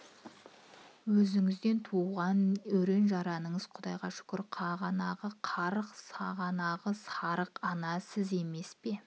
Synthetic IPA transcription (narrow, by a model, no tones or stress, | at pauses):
wɵzɪŋɪzd̪e̞nt̪ʰuʁɑnɵɾe̞nʒɑɾɑnəɴəzqʰʊd̪ɑjʁɑʃʏ̥kʲɪɾqʰɑʁɑnɑʁəqʰɑɾəqsɑʁɑnɑʁəsɑɾəqɑnɑsɪze̞me̞spe̞